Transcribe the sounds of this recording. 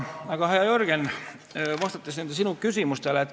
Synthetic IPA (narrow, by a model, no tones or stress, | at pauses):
ɑɡ̥ɑɦɑjɑjorɡ̥en | vɑst̪ɑt̪ːˑesniønd̪esinukysimust̪eleːt̪ː